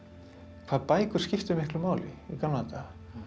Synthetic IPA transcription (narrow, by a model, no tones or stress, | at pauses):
kʰvaːðpaːjkʏ̥scɪft̪ʏmɪhklʏmaːwlɪikallant̪a